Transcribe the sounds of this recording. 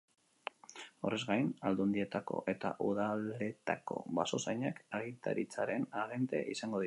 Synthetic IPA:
o̞̰re̞zɡajnald̪uand̪ie̞t̪ako̞̰ʔe̞t̪a̰ʔuðale̞t̪a̰ko̞̰βaso̞sajɲakaɣit̪a̰ɾit͡saɾe̞naɣe̞nt̪e̞̰ʔisaŋɡo̞ði

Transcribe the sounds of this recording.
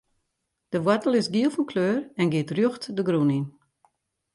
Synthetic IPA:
d̥əʋwatəlˠɪsɡiəlˠfɔnkʰløːrɛnɡɪətrjoxtdəɡrunin

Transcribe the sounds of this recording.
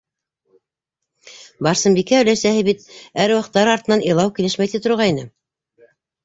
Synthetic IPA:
bɑɾsɤmbikæɵ̆læsæhɘbit̪̚æɾwɑqt̪ːɑɾɑɾt̪ɤ̆nɑnʔilˠɑwkilɘʃmæjt̪it̪ŏɾʁɑinɘ

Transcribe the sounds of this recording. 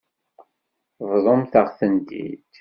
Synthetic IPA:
vðˤomθəʁθənd̪ḭd̪̥

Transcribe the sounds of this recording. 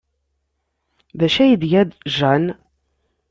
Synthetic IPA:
ðæʃæjəd̪jæd̪ʒæn

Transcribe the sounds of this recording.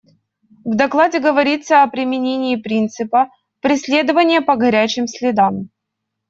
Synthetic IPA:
vd̪ɐklˠadʲɪɡəvɐɾʲit̪sːəɐpɾʲɪmʲɪnʲenʲɪːpɾʲint̪sɨpə | pɾʲɪsʲlʲe̞d̪əvənʲɪjəpəɡɐɾʲæt͡ɕɪmsʲlʲɪd̪am

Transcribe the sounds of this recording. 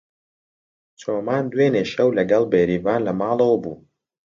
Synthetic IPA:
t͡sʰoːmaːnd̪weːneːʃɐwlɐɡɐlˠbeːɾiːvaːnlɐmɑːlˠɐwbuː

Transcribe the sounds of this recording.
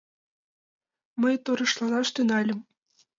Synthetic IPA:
mɤjt̪oɾɤ̆ʃlˠɑnɑʂt̪ynɑlʲɘ̆m

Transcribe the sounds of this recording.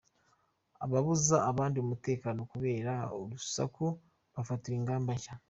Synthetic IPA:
a̰βaβuzaːβaːndiomute̞ːkaːno̞kuβe̞ːɾaoɾusa̰ku | βafatiɾiːŋɡaːmbaʃa

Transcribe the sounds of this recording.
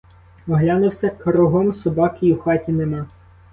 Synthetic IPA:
ɔɦlʲanʊwsʲɐkɐɾɔɦɔmsɔbɑkɪuxɑtʲinemɑ

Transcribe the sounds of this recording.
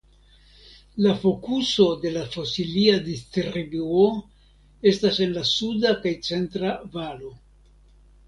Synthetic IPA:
lafo̞kuso̞de̞lafo̞siliadistɾibuo | e̞stase̞nlasudakajt͡se̞ntɾavalo̞

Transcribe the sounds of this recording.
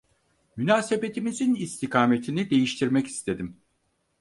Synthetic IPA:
mynaːse̞be̞t̪ʰimizinist̪ʰikʰaːme̞t̪ʰinid̪e̞jiʃt̪ʰiɾmɛci̥st̪ʰe̞d̪im

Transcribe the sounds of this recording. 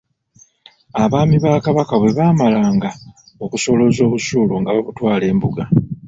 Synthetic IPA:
aβaːmiβaːkaβakaβwe̞βaːmalaːŋɡa | o̞kuso̞lo̞zo̞ːβusuːloŋɡaβaβutwaːle̞ːmbuɡa

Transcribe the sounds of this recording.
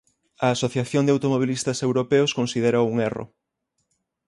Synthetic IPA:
ɐːsoθjaθjond̪awt̪omoβ̞ilist̪ɐsewɾopeʊskonsið̞eɾouŋero̰

